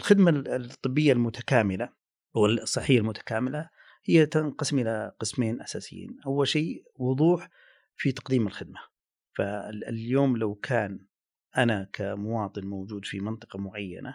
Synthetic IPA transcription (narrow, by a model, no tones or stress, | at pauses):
ɪlxɪd̪mat̪ˤːɨbːɪjːalmʊt̪ḁkaːmɪla | wɪsˤːɨħːɪjːalmʊt̪ʰḁkaːmɪla | hɪjːat̪ɪnqɑsɪmʔɪlaqɨsmeːnʔasaːsɪjːḭːnʔawːalʃiː | wʊðˤuːħ | fit̪ɑ̥qd̪iːmɪlxɪd̪̚ma | faljoːmlawkʰaːn | ʔanakʰamʊwɑːt̪ˤɨnmowd͡ʒuːd̪fimɪnt̪ˤɨ̥qɑmʊʕajːa̰na